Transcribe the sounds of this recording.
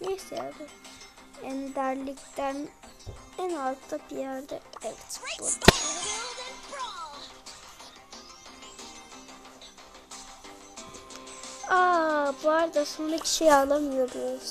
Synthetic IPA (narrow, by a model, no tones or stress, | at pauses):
nɛsɛja̰d̪ɛ | ɛnd̪æɾlʲict̪æn | ænalt̪ʰːabijæɾd̪ɛɛvɛt̪b̥ṵɾd̪aɾ | aːbuaɾd̪asonɾacʰi̥ʃijaːlˠamɯjobuo